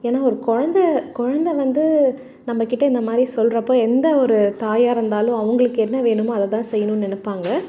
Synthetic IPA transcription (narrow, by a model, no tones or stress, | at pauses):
eːnaːɔɾɯkɔɻɐnd̪ɐkʊɻɐnd̪ɐʋɐnd̪ɯ | nɐmːɐkɪʈːɐɪnd̪ɐmaːd̪ɾisɔlrɐpːoːɛnd̪ɐɔɾɯt̪aːjaːɪɾɯnd̪aːlʊ̃ɐʋɐŋɡɐɭɯkːɯɛnːɐʋeːɳɯmoɐðɐt̪ãːsɛjːɐnɯnɛnɯpːaːŋɡɐ